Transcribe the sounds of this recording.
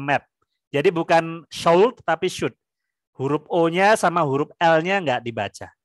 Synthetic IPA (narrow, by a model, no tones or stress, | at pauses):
mɛp̚ | d͡ʒadibukanʃowlt̪t̪apiʃʊt̪̚ | huɾʊp̚oɲasamaɦuɾʊp̚ɛlɲaŋɡaʔdiba̰t͡ʃa